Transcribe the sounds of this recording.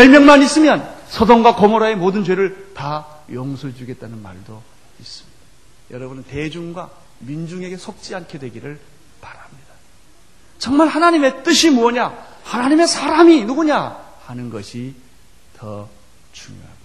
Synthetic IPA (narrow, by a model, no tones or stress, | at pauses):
jʌɭmjʌŋmanis͈ɯmjʌnsʰʌdoŋɡwakomoɾae̞modɯnt͡ɕwe̞ɾɯɭta | joŋsʰuɭd͡ʑuɡe̞t̚t͈anɯnma̰ɭdo | is͈ɯmɲid̥ḁa | jʌɾʌbunɯnte̞d͡ʑuŋɡwa | mind͡ʑuŋe̞ɡe̞sʰok̚t͡ɕ͈iankʰe̞dwe̞ɡiɾɯɭ | paɾamɲid̥a | t͡ɕʌŋmaɭhanaɲime̞t͈ɯɕʰimuʌɲa | hanaɲime̞sʰaɾaminuɡuɲa | hanɯnɡʌɕʰi | tʌ | t͡ɕuŋjo̰ɦa̰mḁ